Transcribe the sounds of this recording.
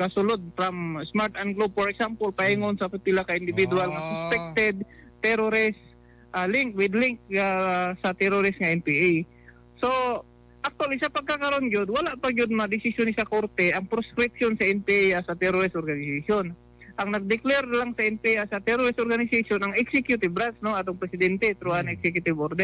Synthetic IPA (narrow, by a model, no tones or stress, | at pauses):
kɐsʊlod̪̚fɾamsmaɾt̪anɡlob̚foɹɛksampolpɐhɪŋonsɐpɪpɪlakaʔɪnd̪ɪvɪd̪ualŋɐsʊspɛk̚t̪ɛd̪̚t̪ɛɾoɾɪs | ʔalɪŋkwɪd̪lɪŋk̚asɐt̪ɛɾoɾɪsŋɐʔɛnpiʔej | so̞ | ʔak̚t̪walisɐpɐɡ̚kːakɐɾond͡ʒod̪wɐlaʔpɐd͡ʒʊd̪̚mɐad̪ɪsɪsjonɪsɐkoɾt̪ɛʔɐŋpɾoskɾɪpʃonsɐʔɛnpiʔjʔasɐt̪ɛɾoɾɪst̪ʔoɾɡanɪsaʃon | ʔɐŋnɐɡ̚d̪ɪklɛɾlaŋsɐʔɛnpiʔjʔasɐt̪ɛɾoɾɪst̪ʔoɾɡanɪsasjonɐŋɛksɛkjʊt̪ɪbɾat̪snoʔat̪oŋpɾɛsɪd̪ɛnt̪ɛt̪ɾoanɛksɛkjʊt̪ɪbʔoɾd̪ɛ